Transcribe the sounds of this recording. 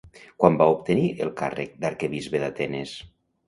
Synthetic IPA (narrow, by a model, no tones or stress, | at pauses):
kwambaupt̪əniʔelˠka̰rek̚d̪aɾkeβizβeðat̪ɛnes